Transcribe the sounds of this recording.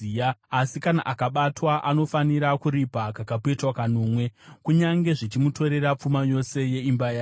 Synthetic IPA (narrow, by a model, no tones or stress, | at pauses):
iaasikana̰ʔakaɓatwaʔano̞faniɾakuɾipakakap̬etwakanoːmwe̞kuɲaŋɡe̞ʐit͡ʃimuto̞ɾe̞ɾap͡fumajo̞se̞je̞imbajaː